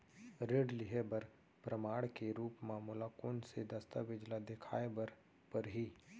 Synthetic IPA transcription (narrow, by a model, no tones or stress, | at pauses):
ɾeːɖlɪɦebɐɾ | pɾəmaːɽkeɾuːpmaːmulakoːnsed̪ɐst̪aʋɪd͡ʒlad̪ekʰa̰ːebəɾ | pɐɾɦiː